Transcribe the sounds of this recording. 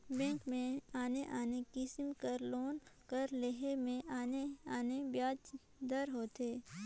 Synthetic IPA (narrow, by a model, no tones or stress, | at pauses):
bɛ̃ːŋkmẽaːneʔaːnekɪsmkəɾloːnkəɾleɦemẽʔaːneaːnebjaːd͡ʒ | d̪əɾɦoːt̪eː